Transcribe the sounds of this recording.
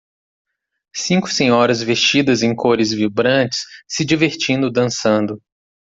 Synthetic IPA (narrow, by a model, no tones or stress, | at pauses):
sĩŋkʊ̥sẽɲɔɾɐzvest͡ʃid̪ɐzẽj̃kʰoɾɪzvibɾɐ̃t͡ʃɪ̥sːɪd͡ʒiveɾt͡ʃĩnd̪ʊd̪ɐ̃sɐ̃nd̪ʊ